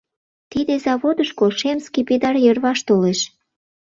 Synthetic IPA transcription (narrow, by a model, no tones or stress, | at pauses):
t̪id̪ezɑβod̪əʃkolʃemskiped̪ɑrjərβɑʃt̪oleʃ